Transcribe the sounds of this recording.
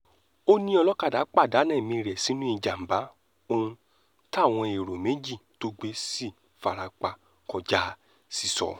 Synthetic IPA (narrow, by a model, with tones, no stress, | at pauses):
o˦nĩ˦ɔ˧lɔ˦ka˦˨da˨˦k͡pa˦˨da˨˦nɛ̃˦˨mĩ˧ɾɛ˨si˨˦nũ˦i˦˧˨d͡ʒa˨m̩˨ba˨˦ | o˧ũ˧ | ta˦˨w̃ɔ̃˧e˨ɾo˨me˨˦d͡ʒi˦˨to˦ɡ͡be˧˦si˦˨ | fa˨ɾa˨˧k͡pa˧ | kɔ˧d͡ʒa˦ | si˨˧sɔ̰˨